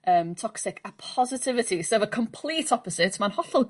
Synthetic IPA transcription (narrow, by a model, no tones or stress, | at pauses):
əːmtʰɔksɪkʰapʰɔzɪtʰɪvɪtʰisəvəkʰɔmpʰl̥ˠiːtʰɔpɔsɪtmanhɔθʊlˠ